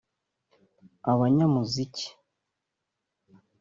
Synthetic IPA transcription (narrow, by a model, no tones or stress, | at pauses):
aβaɲamuzici̥